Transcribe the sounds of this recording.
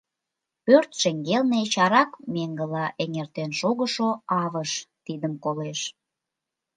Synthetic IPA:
pørt̪ʃeŋɡelnet͡ɕɑɾɑkmeŋɡəlɑʔeŋert̪enʃoɣəʃoɑβəʃt̪id̪əmkoleʃ

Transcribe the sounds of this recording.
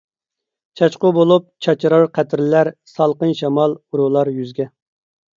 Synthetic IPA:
t͡ʃʰɑt͡ʃqʊbolˠup̚t͡ʃʰɑt͡ʃʰɾɑɾqʰæt̪ʰɾɪlæɾsɑlˠqənʃɑmɑlˠuɾulˠɑɾjyzɡʲɛ

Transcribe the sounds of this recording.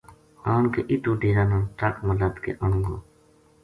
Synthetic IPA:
aːɳkḛːʔiʈuːɖiːɾaːnãːnʈakməlaːt̪kḛːʔəɳ̃ũŋɡo̰ː

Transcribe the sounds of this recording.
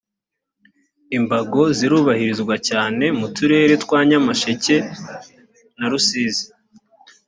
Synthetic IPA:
imbaɡo̞ziɾuːβahiɾizɡwacaːne̞mutuɾe̞ːɾe̞twaːɲamaʃece̞ | naɾusiːzi̥

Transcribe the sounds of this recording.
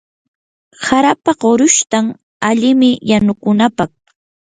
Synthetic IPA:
saɾapaɢoɾʊʃt̪aŋ | aʎɪmɪjanʊkʊnapɑχ

